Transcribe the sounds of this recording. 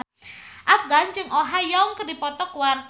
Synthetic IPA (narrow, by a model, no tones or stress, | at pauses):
ʔafɡant͡ʃɨŋʔoɦajɔŋkərdipɔt̪ɔkwar